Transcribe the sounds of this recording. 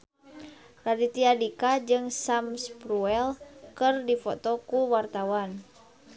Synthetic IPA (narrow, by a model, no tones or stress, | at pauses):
radit̪iadikad͡ʒɨŋsamspɾuɛlkɨrdifɔ̰t̪ɔkuwart̪awan